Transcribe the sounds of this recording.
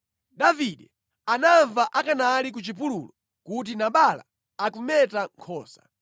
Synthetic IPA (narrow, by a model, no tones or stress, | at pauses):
daviɗɛ | anaɱvaʔakanalik̬ut͡ʃip̬ululɔ | kut̬inaɓala̰ | akumɛtaŋkʰɔːsḁ̰